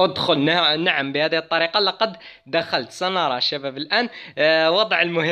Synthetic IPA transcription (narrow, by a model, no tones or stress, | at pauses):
əd̪xʊlnnaʕəmbihæd̪iət̪ˤːɑɾiqɑlɑqɑd̪ | d̪axælt̪sɑnɑɾˤɑʃːæbæbəlʔænwɑd̪ˤʕəlmʊhə